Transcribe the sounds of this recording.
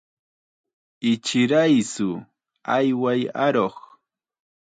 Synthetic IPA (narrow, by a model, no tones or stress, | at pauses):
ɪt͡ʃɪɾajsʊ | ajwajaɾoχ